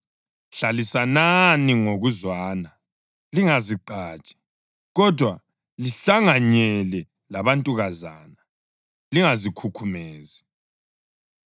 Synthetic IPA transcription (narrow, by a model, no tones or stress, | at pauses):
ɬalisananiŋoɣuzwaːna | liŋaziǃaːt͡ʃʼi̥ | ɣɔdʱwa | liɬaŋaɲɛlɛ | laβantʼuɣazaːna | liŋazikʰukʰumɛːzi